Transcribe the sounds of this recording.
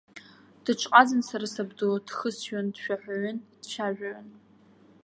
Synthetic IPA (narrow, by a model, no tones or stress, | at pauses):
d̥ɨʈ͡ʂʰʼqʼad͡zɨnsaɾasabdod̥χəsɥandʃᶣaħᶣʷaɥʏnd̥ʃʰaʒᶣaɥɪn